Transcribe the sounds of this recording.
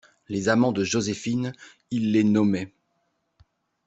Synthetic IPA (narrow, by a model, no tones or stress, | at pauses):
lezamɑ̃d̪əʒozefin | ilːenɔmɛ